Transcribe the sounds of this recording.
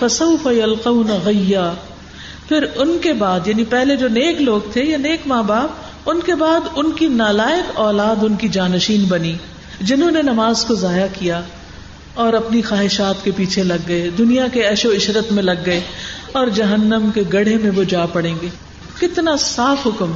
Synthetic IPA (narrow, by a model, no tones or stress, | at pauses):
fɐsɐʊfɐjɐlqɐʊnaɣɪjːaː | pʰɪɾʊnkebaːd̪jaːnipɛɦled͡ʒoːneːkloːɡt̪ʰejaneːkmaːbaːp̚ | ʊnkebaːd̪ʊnkinaːlaːɪkɔːlaːd̪ʊnkid͡ʒaːnəʃiːnbɐni | d͡ʒɪnɦõːnenɐmaːzkozaːjakija | ɔːɾɐpnixaːɦɪʃaːt̪kepiːt͡ʃʰelɐɡːɐed̪ʊnijakeɛʃoɪʃɾət̪mẽlɐɡːɐeɔːɾd͡ʒɐɦənːəmkeɡɐɽemẽʋod͡ʒaːpɐɽẽːŋɡeː | kɪt̪nasaːfɦʊkm